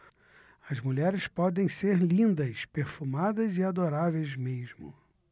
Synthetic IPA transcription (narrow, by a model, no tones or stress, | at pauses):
ɐzmuʎɛɾɪspɔd̪ẽj̃seɾlĩnd̪ɐspeɾfumad̪ɐzɪad̪oɾavejzmeʒmʊ̰